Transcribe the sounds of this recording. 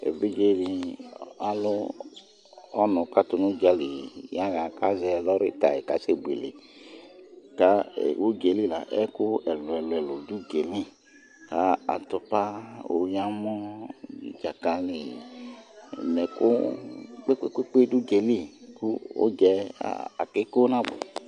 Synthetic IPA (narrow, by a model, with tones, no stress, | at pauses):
ḛ˨bi˦d͡ʒe˦ɾi˧ | a˦lʊ˦ | ɔ˦nɔ˨ka˦tu˧nu˦d͡ʒa˧li˨ja˦ɣa˨ka˦zɛ˧˨lɔ˦ɾi˦ta˨ji˨ka˨˦se˦˨bu˨ḛ˨lḛ˨ | ka̰˦˨o˦ɡe˨li˦˨la˨ʔɛ˦ku˦ɛ˨lu˨ɛ˨lʊ˨ɛ˨lu˨du˦ɡe˨li˦ | ka˨˦a̰˨tu˧pa˦o̰˨ja˦mɔ˦ḭ˨d͡ʒa˨ka˧li˨ | nɛ˨kṵ˦k͡pe˦ke˦kʷe˦k͡pe˦du˦ɡe˧li˦˨ku˦o̰˦d͡ʒɛ˧a̰˨a̰˨ke˦ko˦na˦bṵ˨